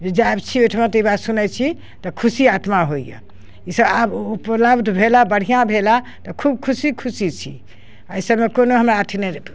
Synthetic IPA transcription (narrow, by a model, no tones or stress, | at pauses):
d͡ʒed͡ʒaebt͡ʃʰiojʈʰmat̪ibat̪sunɛt͡ʃʰi | t̪ɔkʰusiat̪maɦoijḛ | isəbabupləbd̪ʱbʱelabəɽ̤ijãbʱela | t̪ɔkʰub̚kʰusikʰusit͡ʃʰḭ | əjsəbmekonoɦəmɾaːt̪ʰinɛɾe